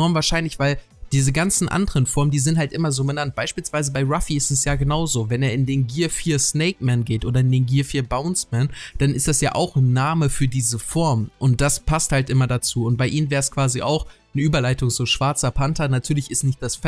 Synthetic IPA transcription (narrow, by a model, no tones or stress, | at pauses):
ɔɐmvaːɐʃaɪnlɪçv̥aɪl | d̥iːzəɡant͡sn̩ʔa̰ndəʁənfɔɐməndiːzɪnthaltʔɪmɐzoːbənant̚b̥aɪʃpiːlsv̥aɪzəbaɪʁafiɪstɛsjaːɡənaʊzoːvɛneːɐɪndeːnɡiːɐfiːɐsnɛɪk̚mɛnɡeːtʔoːdɐɪndeːnɡiːɐfiːɐbaʊnsmɛnd̥anɪstd̥asja̰ːʔa̰ʊxnːaːməfyːɐdiːzəfɔɐmʔʊnt̚d̥aspʰasthaltʔɪmɐdat͡suːʊnt̚b̥aɪʔiːnənvɛːɐskv̥aːziʔa̰ʊx | nəʔyːbɐlaɪtʊŋzoːʃv̥aɐt͡sɐpʰantɐnatʰyːɐlɪçɪstnɪçt̚d̥asf